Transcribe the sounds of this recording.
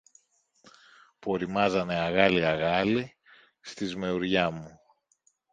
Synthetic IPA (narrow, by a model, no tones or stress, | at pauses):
po̞ɾimɐzɐne̞ɐɣɐliɐɣɐli | st̪izme̞uɾʝɐmu